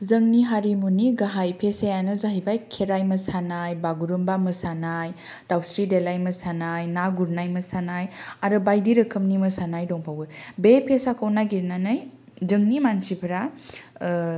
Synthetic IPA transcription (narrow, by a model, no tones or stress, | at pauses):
zɯŋniɦaɾimuniɡaɦajpʰesajanɯzaɦibajkʰeɾajmɐsanajbaɡuɾumbaməsanaj | d̥awsɾidelajmɐsanajnaɡuɾnajməsanajaɾɯbajdiɾɯkʰɯmnimɐsanajdɔŋpʰawɡɯbepʰesakʰawnaɡiɾnanaj | zɯŋnimansipʰɾa